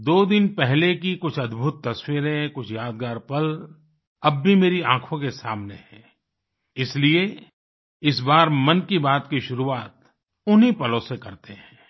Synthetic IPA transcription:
d̪oːd̪ɪnpɛɦlekikʊt͡ʃʰɐd̪bʱʊt̪ːɐswiɾẽkʊt͡ʃʰjaːd̪ɡaːɾpɐl | ɐbːʱimeːɾiãːkʰõkesaːmneɦɛ̃ː | ɪslie | ɪs̬baːɾmɐnkibaːt̪kiʃʊɾuaːt̪ | ʊnɦipɐlõsekɐɾt̪eɦɛ̃ː

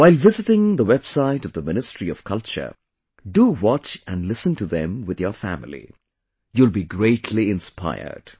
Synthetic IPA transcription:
waɪlˠvɪzɪtɪ̃ŋðəwɛb̥saɪɾʌvðəmɪnɨstɹ̥iʌv̥kʰʌlˠt͡ʃə̰˞ | duwɔt͡ʃæ̃nlɪsə̃ntuðɛ̃mwɪðjəfæ̰mɪlḭ | julbiɡɹeɪtʰliɪ̃nspʰa̰ɪə̰˞d̥

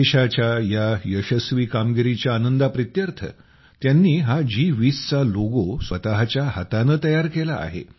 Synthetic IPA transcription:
eɕat͡ɕjajajəɕəsʋiːkamɡiɾit͡ɕjaːnənd̪apɾit̪jəɾt̪ʰə̰ | t̪janːiːɦad͡ʑiʋiːst͡saloɡosʋət̪aɦt͡ɕjaɦət̪anəːt̪əjaɾkela̰ːɦḛ

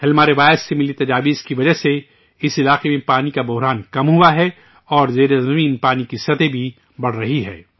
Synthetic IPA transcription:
hɐlmaːɾeʋaːjsːemɪlit̪ɐd͡ʒaːʋiːzkiʋɐd͡ʒəɦse | ɪsɪlaːqemẽpaːnikabʊɦɾaːnkɐmɦuaɦɛ | ɔːɾzeːɾezɐmiːnpaːnikisɐt̪ebʱi | bɐɽ̤ɾɐɦiɦɛ̰ː

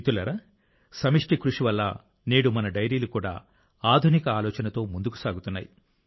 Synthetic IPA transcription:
it̪ulɐɾa | sɐmiʂʈikɾuʂiʋɐlːa̰ː | neːɽumɐnɐɖɐjɾiːlukuːɽa̰ː | aːd̪ʱunikɐaːlɔːt͡ʃɐnɐt̪o̞ːmund̪uku̥saːɡut̪unːa̰ːji

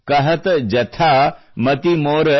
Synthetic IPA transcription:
kɐɦɐt̪d͡ʒɐt̪ʰaː | mɐt̪imoːɾə

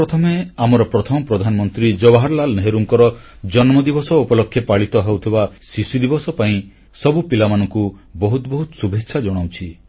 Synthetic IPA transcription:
ɾɔt̪ʰɔmeamɔɾɔpɾɔt̪ʰɔmɔpɾɔd̪ʱanɔmɔnt̪ɾid͡ʒɔbaɦaɾlalneɦeɾuŋkɔɾɔ | d͡ʒɔnmɔd̪ibɔsɔupɔlɔkʰːjepaɭit̪ɔɦewt̪ʰibasisud̪ibɔsɔpaĩ | sɔbupilamanɔŋkubɔɦut̪bɔɦut̪subʱekːʃʰad͡ʒɔɽ̃awt͡ʃʰi

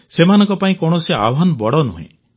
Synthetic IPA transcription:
semanɔŋkɔpaĩkɔɽ̃ɔsea̰bɦanɔbɔɽɔnṵɦḛ̃

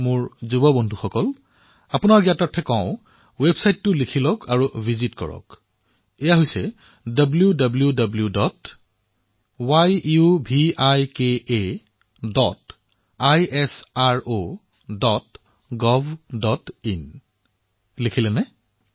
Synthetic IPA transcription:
mʊɹzubɔbɔndʱuxɔkɔl | apʊnaɹɡiatatʰɛkãʊ̃ | websajtːʊlikʰilɔkʰaɹuvʱizitkɔ̰ɹɔ̰k | ejaɦojsɛ | dɔbljudabljudabljudɔt | wajubʱiajkee | dɔt | ajɛsaɹo | dɔt | ɡɔvʱdɔtin | likʰilɛnɛ

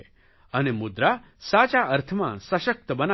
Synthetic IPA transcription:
ənemud̪ɾa | sat͡ʃaʔəɾt̪ʰəmã̰səʃək̚t̪əbəna

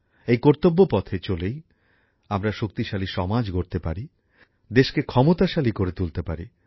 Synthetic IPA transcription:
ejkoɾt̪obːopɔt̪ʰet͡ɕolej | amɾaʃok̚t̪iʃaliʃɔmad͡ʑɡoɾt̪epaɾi | d̪eʃkekʰɔmot̪aʃalikoɾet̪ult̪epaɾi

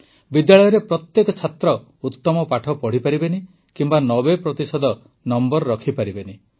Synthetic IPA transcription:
bid̪jaɭɔjɔɾepɾɔt̪jekɔt͡ʃʰat̪ɾɔ | ut̪ːɔmɔpaʈʰɔpɔɽ̤ipaɾibeni | kimbanɔbepɾɔt̪isɔd̪ɔ | nɔmbɔɾɾɔkʰipaɾibeni

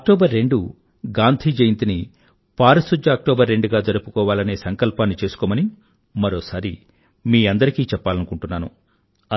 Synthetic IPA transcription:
ɐk̚ʈoːbɐɾːe̞ɳɖu | ɡaːnt̪ʰiːd͡ʒɐjint̪ini | paːɾɐsud͡ʒɐːk̚ʈɔːbɐɾːe̞ɳɖuɡaːd͡ʒɐɾupu̥kɔːʋaːlɐne̞ːsɐŋkɐlpaːnːit͡ʃe̞ːsu̥kɔːmɐni | mɐɾoːsaːɾi | miːɐnd̪ɐɾikiːt͡ʃɛpːaːlɐnukuɳʈunːaːnṵ

